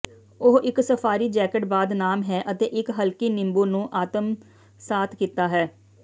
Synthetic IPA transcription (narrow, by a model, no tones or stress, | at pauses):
ʊɦɪksəpʰaːɾiːd͡ʒɛːkəʈbaːd̪naːmɦɛːʔət̪eːʔɪkɦəlkiːnɪ̃mbuːnũːʔaːt̪əm | saːt̪ʰkiːt̪aːɦɛː